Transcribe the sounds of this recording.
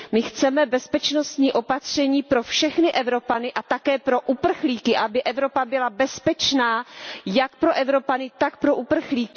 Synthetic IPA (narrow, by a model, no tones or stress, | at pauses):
mɪxt͡sɛmɛbɛspɛt͡ʃno̞st̪ɲiːʔo̞pat̪r̝̥ɛɲiːpɾo̞fʃɛxnɪʔɛvɾo̞panɪʔat̪akɛːpɾo̞ʔupr̩xliːkɪʔabɪʔɛvɾo̞pabɪlabɛspɛt͡ʃnaːjakpɾo̞ʔɛvɾo̞panɪt̪akpɾo̞ʔupr̩xliːkɪ